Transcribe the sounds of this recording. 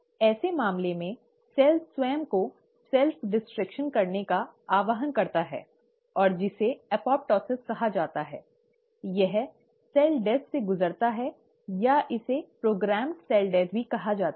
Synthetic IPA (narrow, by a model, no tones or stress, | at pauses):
ɛːsemaːmlemẽ | sɛːlswɛːmko | sɛlfɖɪsʈɾɪkʃənkɐɾnekaaːʋəɦənkɐɾt̪aɦɛ̰ː | ɔːɾd͡ʒɪseɛpɔːp̚ʈɔːsɪskɐɦad͡ʒaːt̪aɦɛ̰ː | jɛɦ | sɛːlɖɛːsseɡʊzəɾt̪aɦɛ | jaʔɪsepɾoːɡɾɛːmɖsɛːlɖɛːt̪bʱikɐɦad͡ʒaːt̪a